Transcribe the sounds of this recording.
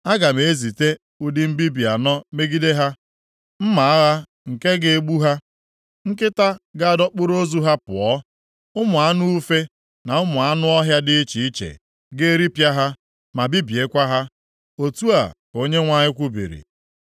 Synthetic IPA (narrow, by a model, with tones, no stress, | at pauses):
a˦ɡa˨me˨e˦zi˨te˦ | u˦dɪ˦m̩˦bi˦bi˨a˨nɔ˦me˦ɡi˦de˦ɦa˦ | m̩˦ma˨a˦ɣa˦ | ŋ̩˨ke˦ɡe˦ɡ͡bu˦ɦa˦ | ŋ̩˦kɪ˦ta˦ɡa˦a˨dɔ˦k͡pʊ˦ɾo˦zu˦ɦa˦pʊ̰˨ɔ˨˦ | ʊ˦mʊ˨a˦nu˦u˦fe˦ | na˨ʊ˦mʊ˨a˦nʊ˦ɔ˦ɦja˦dɪ˦i˦t͡ʃi˨i˦t͡ʃḛ˨ | ɡe˦ɾi˦pja˦ɦa˦ | ma˨bi˦bi˨e˦kʷa˦ɦa˦ | o˨tu˦a˨ko˦ɲe˦ŋʷa˦ɲɪ˦kʷu˦bḭ˨ɾḭ˨